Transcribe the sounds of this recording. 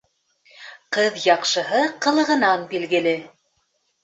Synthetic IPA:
qɤðjɑqʃɤ̆ɦɤqɤ̆lˠɤ̆ʁɤ̆nɑnbilɡɘ̆lɘ

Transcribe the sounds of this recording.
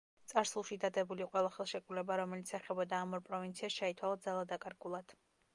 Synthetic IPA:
t̪sʼaɾsulˠʃid̪ad̪ɛbuliqʼwɛlˠaχɛlˠʃɛkʼɾulɛbaɾɔmɛlit̪sʰɛχɛbɔd̪aːmɔɾpʼɾɔvint̪sʰiasʃait̪ʰwalˠad̪zalˠad̪akʼaɾɡulˠad̪̥

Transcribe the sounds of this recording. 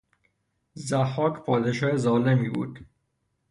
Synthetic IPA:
zæhɒːkpʰɒːd̪eʃɒːezɒːlemiːbṵːd̪̥

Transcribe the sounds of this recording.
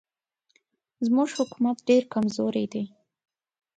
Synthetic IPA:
zmuʒhʊkumat̪ɖeɾkamzoɾejd̪e

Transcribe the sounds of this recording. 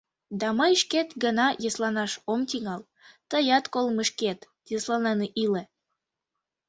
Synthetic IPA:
d̪ɑmɤjʃket̪ɡənɑjəslɑnɑʃomt̪iŋɑl | t̪əjɑt̪kolməʃket̪ | jəslɑneneʔile

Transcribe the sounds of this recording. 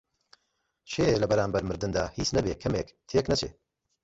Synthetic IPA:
ʃʰeːlɐbɐɾaːnbɐɾmɨɾd̪ɨnd̪aːhiːt͡snɐbḛːkʰɐmḛːkt̪ʰeːknɐt͡ʃʰḛː

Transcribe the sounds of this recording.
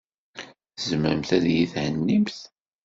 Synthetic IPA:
əzmæmθæðjiθhənːimθ

